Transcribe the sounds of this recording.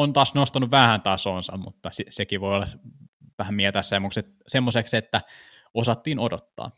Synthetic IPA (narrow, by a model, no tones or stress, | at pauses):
ont̪ɑːsnost̪ɑnuʋʋæhænt̪ɑsoːnsɑ̰mmṵt̪ːɑsisekiʋoiolːɑs | ʋæhæmmielt̪æssemːokset̪ | semːosekset̪ːæ | osɑt̪ːiːnodot̪ːɑ̰ː